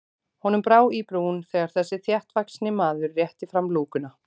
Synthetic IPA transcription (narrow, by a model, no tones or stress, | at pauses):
hɔnʏmpɾaːwipɾuːnθɛːɣaɾ̥θɛsːɪθjɛht̪vaksnɪmaːðʏɾːjɛht̪ɪfɾamluːkʏna